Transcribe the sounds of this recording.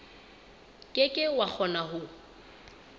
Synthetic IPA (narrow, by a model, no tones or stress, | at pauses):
kʼɪkʼɪwak͡xʰɔnaɦʊ